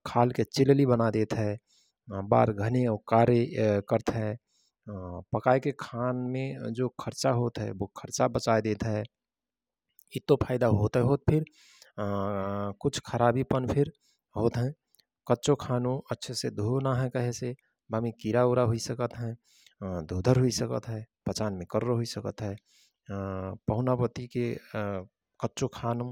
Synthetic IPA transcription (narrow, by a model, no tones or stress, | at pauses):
kʰaːlket͡ʃɪllibənad̪eːt̪ɦɛ̃ | ba̰ːɾɡʱəneokaːɾekəɾt̪ɦɛ̃ | pəkaːekekʰaːnmẽd͡ʒokʰəɾt͡ʃaɦoːt̪ɦɛ̰ʋokʰəɾt͡ʃabət͡ʃaːed̪eːt̪ɦɛ | ɪt̪ːopʰaːɪd̪aɦoːt̪ɦɛɦoːt̪̚pʰɪɾ | kʊt͡ʃʰkʰəɾaːbipənpʰɪɾ | ɦoːt̪ɦɛ̃ | kətːʃokʰaːnũətːʃʰsed̪ʱonaɦɛkəɦɛse | bamikiɾauɾaɦoisəkət̪ɦɛ̃ | d̪ʱuːd̪ʱəɾɦoisəkə̰t̪ɦɛpət͡ʃaːnmẽkəɾːəɦoisəkət̪ɦɛː | pəɦʊnapət̪ike | kətːt͡ʃokʰaːnũ